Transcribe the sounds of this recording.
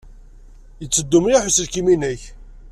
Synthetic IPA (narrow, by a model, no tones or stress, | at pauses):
jət͡sːəd̪ːumɾaħʊsəðkiminəç